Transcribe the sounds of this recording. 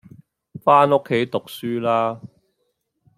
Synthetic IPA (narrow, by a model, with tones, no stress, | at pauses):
faː˥no˥kʰːe˨˥jt̪ʊ˨k̚syː˥laː˥